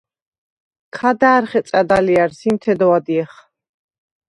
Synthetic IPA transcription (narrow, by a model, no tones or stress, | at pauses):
kʰad̪aːɾχɛt̪sʼad̪aliaɾsimt̪ʰɛd̪ɔwad̪iɛχ